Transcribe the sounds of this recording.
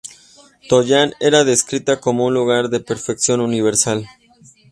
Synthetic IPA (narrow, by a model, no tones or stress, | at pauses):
t̪o̞ʝane̞ɾaðe̞skɾit̪ako̞mo̞unluɣaɾðe̞pe̞ɾfeksjo̞nuniβ̞e̞ɾsal